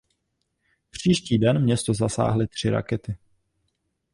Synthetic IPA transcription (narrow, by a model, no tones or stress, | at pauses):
pr̝̥iːʃciːdɛnmɲɛst̪ozasa̰ːɦlɪt̪r̝̥ɪɾa̰kɛt̪ɪ